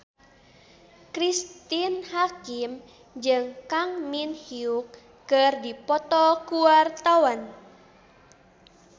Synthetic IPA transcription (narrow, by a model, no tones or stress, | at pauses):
kɾist̪inhakim | d͡ʒɨŋkaŋminhiuk̚ː | ərdipɔt̪ɔkuwart̪awan